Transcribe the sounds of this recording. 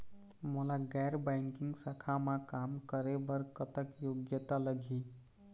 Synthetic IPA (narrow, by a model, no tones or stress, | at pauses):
mulaɡɛɾbaŋkiŋɡsakʰamakamkəɾebəɾkət̪əkjoɡjət̪aləɡʱi